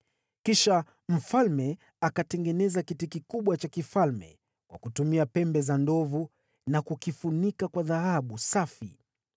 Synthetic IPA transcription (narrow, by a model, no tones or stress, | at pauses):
kiʃa | m̩falmɛ | akatɛŋɡɛnɛzakitikikuɓwat͡ʃakifalmɛ̰ | kwa̰kutumiapɛmbɛzandɔvu | nakukifunikakwaðahaɓusafḭ